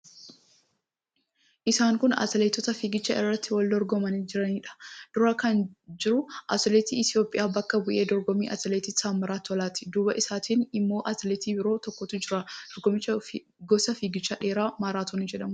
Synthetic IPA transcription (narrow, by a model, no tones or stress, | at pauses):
ʔɪsaːŋkʊnɐ̰t̪ɪlet̪ːɔt̪ɐfiːɡɪt͡ʃːɐʔɪrːɐt̪ːɪwɐld̪ɔɾɡɔmɐnid͡ʒɪɾɐniːᶑɐ̥d̪̥ʊɾɐkɐnd͡ʒɪɾʊʔɐt̪ɪlet̪ḭːʔɪt̪ɪjo̞ːpʼːɪ̰ʔaːbɐkːɐbʊʔe̞ːd̪ɔɾɡɔmḭːʔɐ̰t̪ɪleːt̪ɪsaːmːɐɾaːt̪ːɔlaːt̪ɪ̥d̪uːbɐʔɪsaːt̪iːnɪmːo̞ːʔɐt̪ɪlet̪iːbɪɾo̞ːt̪ɔkːɔt̪ʊd͡ʒɪɾɐd̪̥ɔɾɡɔmɪt͡ʃːɐ | ɡɔsɐfiːɡɪt͡ʃːaːᶑe̞ːɾaːmaːɾaːt̪oːnid͡ʒɛᶑɐmʊ